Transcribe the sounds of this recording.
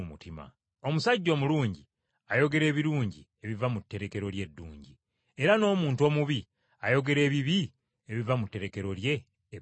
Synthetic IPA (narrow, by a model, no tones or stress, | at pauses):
mutima̰ | o̞musaɟːo̞ːmuluːɲɟi | ajo̞ɡe̞ɾe̞ːβiɾuːɲɟi | e̞βivamutːe̞ɾe̞ke̞ɾo̞lje̞dːṵːɲɟi | eɾano̞ːmuːntuo̞ːmuβi | ajo̞ɡe̞ɾe̞ːβiβi | eβivamutːe̞ɾe̞ke̞ɾo̞lje̞